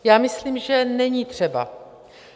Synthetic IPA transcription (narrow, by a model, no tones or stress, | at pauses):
jaːmɪsliːmʒɛnɛɲiːt̪r̝̥ɛba̰